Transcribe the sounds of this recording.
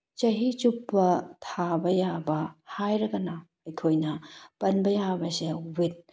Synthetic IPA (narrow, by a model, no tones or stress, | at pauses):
t͡ʃɐɦit͡ʃupːɐtʰabɐjabɐhajɾɐɡɐnɐ | ɐjkʰojnɐpɐnbɐjabɐsewit̚